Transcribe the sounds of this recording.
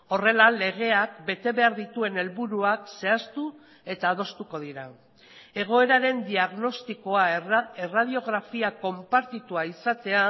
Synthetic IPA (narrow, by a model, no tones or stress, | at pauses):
o̞re̞lale̞ɣ̞e̞ak̚be̞t̪e̞βe̞aɾðit̪ue̞ne̞lβuɾuakse̞ast̪u | e̞t̪aːð̞o̞st̪uko̞ð̞iɾa | e̞ɣ̞o̞e̞ɾaɾe̞nd̪iaɣno̞st̪iko̞aerað̞io̞ɣ̞ɾafiako̞mpaɾt̪it̪uaisat̪e̞a